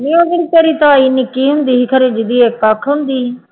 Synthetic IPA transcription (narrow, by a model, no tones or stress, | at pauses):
mĩːoːɡəɾiteːɾiːt̪ãːinikiːɦʊ̃nd̪iːɦikʰəɾeːd͡ʒɪd̪iːeːkakʰɦʊ̃nd̪iː